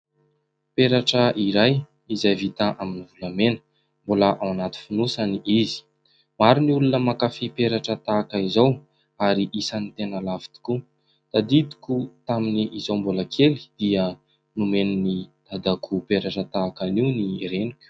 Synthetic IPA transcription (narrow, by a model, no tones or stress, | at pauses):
peɾaʈ͡ʂəʔiɾaj | izajvit̪aʔaminivulamenə̥ | mbolaʔawanat̪i̥finusaniizi̥ | maɾiniulunəmakafipeɾaʈ͡ʂət̪aːkəizaw | aɾiʔisanit̪enəlavi̥t̪i̥ku | t̪ad̪id̪i̥kʲut̪aminiʔizowmbolakʰeli̥d̪̥iə | numenunit̪ad̪akʰupeɾaʈ͡ʂət̪aːkaniwniɾenikʲu̥